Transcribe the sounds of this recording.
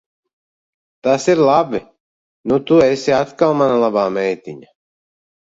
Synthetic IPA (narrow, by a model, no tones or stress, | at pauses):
t̪ɐsiɾlab | nut̪uɛsiat̪kawmanalabaːmɛjt̪iɲa